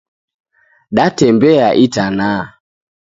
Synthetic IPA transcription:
ɗatɛmbɛaʔitanaː

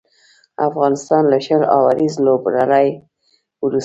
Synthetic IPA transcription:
afɣɑnɪst̪ɑnlaʃəlɑwaɾizlobɾalaj | ɾu

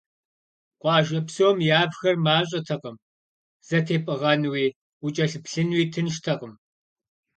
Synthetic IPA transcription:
qʷɑːʒɐpsowmjaːbxɐrmaːɕ̬ʼɐtʰɐqəm | z̥ɐtʰeːpʼɨʁɐnɨwiː | ut͡ʃʼɐɬɨpɬɨnwiːtʰɨnʃtʰɐqʼəm

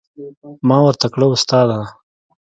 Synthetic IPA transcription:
mɑːwɐɾt̪akɽəʊst̪ɑːd̪a

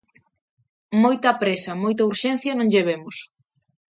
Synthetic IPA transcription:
mojt̪ɐpɾesɐmojt̪̬ɐuɾʃɛn̟θjɐnõŋʎeβ̞emʊs

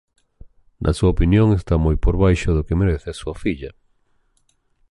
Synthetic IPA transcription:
nʔɐ̰suaopinjoŋest̪amojpoɾβajʃʊðʊkemeɾeθeasuɐfiʎɐ

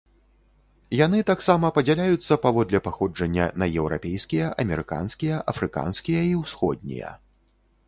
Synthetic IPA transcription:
jan̪ɨt̪aksamɐpɐd͡zʲalʲajut̪sːɐpavɔd̪lʲɛpaxɔd͡ʐɐnʲːɐ̰nɐjɛwɾa̰pʲejskʲijɐʔɐmʲɛɾɨka̰nskʲijɐʔɐfɾɨka̰nskʲijɐiwsxɔ̰d̪̚ʲnʲḭjɐ̰

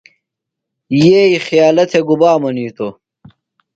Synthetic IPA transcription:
jeixijaːlɐt̪ʰeɡubaːmɐniːt̪o

